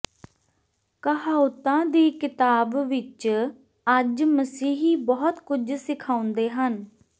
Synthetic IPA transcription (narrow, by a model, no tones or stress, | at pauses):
kəɦaːʊt̪ãːd̪iːkɪt̪aːbʋɪt͡ʃ | əd͡ʒməsiːɦiːbɔːt̪kʊd͡ʒsɪkʰaːʊnd̪eːɦən